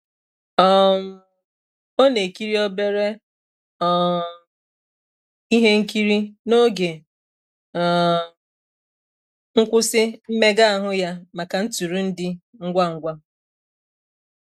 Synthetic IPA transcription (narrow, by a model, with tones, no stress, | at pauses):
ɔ˦˨m̩˦ | o˦ne˨ki˦ɾi˦ɔ˦be˦ɾe˦ | ɔ˦˨ | i˦ɦe˦ŋ̩˦ki˦ɾi˦no˦ɡe˨ | ŋ̩˦kʷʊ˦sɪ˦m̩˦me˦ɡa˦a˦˨ɦʊ˦ja˦ma˨ka˨n̩˦tu˨ɾu˨˦n̩˦dɪ˦ŋ̩˦ɡʷa˦ŋ̩˦ɡʷa˦